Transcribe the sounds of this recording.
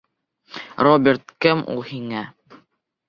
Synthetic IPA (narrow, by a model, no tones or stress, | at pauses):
robʲɪɾt̪̚kɘmṵlˠhiŋæ